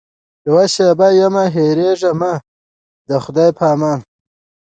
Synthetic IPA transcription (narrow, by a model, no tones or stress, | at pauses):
lowaɕebajamaɦeɾeʐɐma | d̪əxʊd̪ajpʰaːmaːn